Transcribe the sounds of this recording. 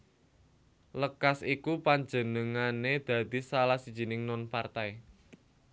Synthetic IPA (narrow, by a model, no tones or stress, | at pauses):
ləkasikupaɲd͡ʒənəŋaned̪̥ä̤d̪̥i̤salahsid̥ʒ̥i̤nɪŋnɔnpart̪aj